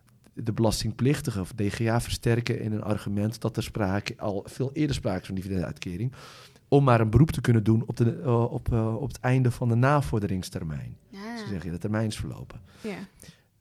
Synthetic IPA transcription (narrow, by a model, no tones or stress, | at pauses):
dəbəlɑstɪŋplɪxtəɣəɔfdeːχeaːfərstɛrkəɪ̰nəna̰rɣymɛntd̥ɔtərspraːkəɔ̰lˠfɪːlˠɪːədərspraːkə̥fɔndividɛndəœ̰ɥtkʰɪːɾɪŋ | ɔmːaːɾənbəruptəkønəndunɔpɔpətɛjndəfɔndənaːfɔrdərɪŋstɛrmɛ̰jnsəzɛɣəjadətərmɛjnɪsfərlo̰wpə